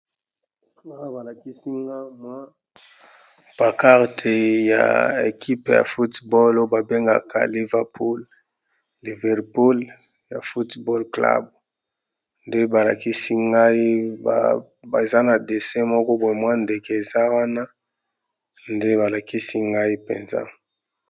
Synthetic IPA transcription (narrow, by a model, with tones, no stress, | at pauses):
wa˦a˦ba˨la˨ki˦si˦ŋɡa˦mwa˦ | b̥a˨ka˦ʁtʰe˨ja̰˨e˨kʰi˦pja̰˨fu˦tbɔ˦lo˦ba˨be˦ŋɡa̰˨kʰa̰˨li˨vɛ˨ʁpʰu˦l | li˨vɛ˨ʁpu˦l | ja̰˨fu˦tbɔ˦lkla̰˦b | nde˦ba˨la̰˨ki˦si˦ŋɡa˦i˦ba̰˨ | ba˨e˨za˦na˨de˨sɛ˦mɔ˦kɔ˦bwɛ˨mwa˦nde˨ke˦e˨za˦wa˦na˦ | nde˦ba˨la˨ki˦si˦ŋɡa˦i˦pḛ˨nza̰˦